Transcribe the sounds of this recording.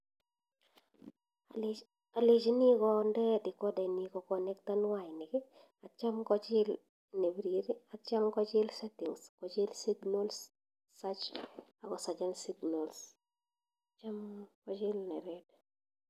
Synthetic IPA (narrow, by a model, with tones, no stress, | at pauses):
a˨lid͡ʒi˦ni˦kɔndɛ˦dɪ˨kɔ˦dɛ˨nikɔkɔnɛ˦k̚ta˦nwajnɪkɪ˦ | a˨t͡ʃa˦mkɔt͡ʃɪ˦l | ne˨bɾiɾi˦a˨t͡ʃa˦mkɔ˦t͡ʃɪ˦lsetɪ˨ŋskɔt͡ʃɪ˦lsi˦ɡnols | sat͡ʃa˨kɔ˨sa˨d͡ʒa˦nsiɡnols | at͡ʃa˦mkɔd͡ʒɪ˦lnɛ̰˨ɾɛd